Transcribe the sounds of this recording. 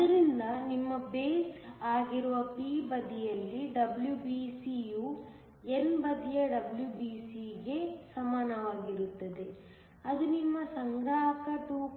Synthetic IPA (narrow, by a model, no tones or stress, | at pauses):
ɐɾind̪ɐnimːɐbeːsaːɡiɾuʋɐpiːbɐd̪ijɐlːiɖɐbljubiːsiju | enbɐd̪ijɐɖɐbljubiːsiɡe̞sɐmaːnɐʋaːɡiɾut̪ːɐd̪e̞ | ɐd̪unimːɐsɐŋɡɽaːkɐʈ̪uː